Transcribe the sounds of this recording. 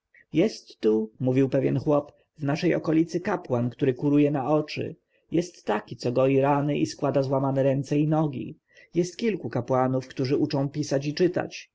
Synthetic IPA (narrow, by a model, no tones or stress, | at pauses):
jɛst̪ːumuvʲiwpɛvʲjɛnxwɔp | vnaʂɛjɔ̰kɔlʲit̪sɘkapwankt̪uɾɘkuɾujɛnaɔt͡ʂɘ̰ | jɛst̪ːakʲit̪sɔɡɔjiɾanɘʔiskwad̪azwamanɛɾɛnt̪sɛinɔɡʲḭ | jɛst̪kʲilkukapwanufkt̪uʐɘut͡ʂɔ̃w̃pʲisat͡ɕit͡ʂɘt̪a̰t͡ɕ